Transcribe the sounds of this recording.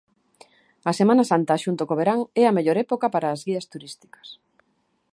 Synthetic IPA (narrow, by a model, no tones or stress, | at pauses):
ɐsemãnasant̪ɐʃunt̪okoβeɾaŋɛɐmeʎoɾɛpokɐpaɾaːzɣiɐst̪uɾist̪i̥kɐ̥s